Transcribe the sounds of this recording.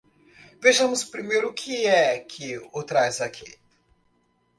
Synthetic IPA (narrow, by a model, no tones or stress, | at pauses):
veʒamuspɾimeɾukʰijɛkʰiɔt̪ɾajzakʰet̪